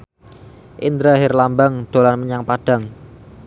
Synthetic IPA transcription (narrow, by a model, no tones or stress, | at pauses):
ʔind̪ɾaɦɪrlambaŋd̪̥o̤lanməɲaŋpaɖ̥a̤ŋ